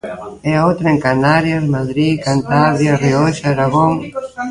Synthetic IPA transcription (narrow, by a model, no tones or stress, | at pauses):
ɛaowt̪ɾɐeŋkanaɾjɐsmaðɾikant̪aβɾjarioʃaɾaɣoŋ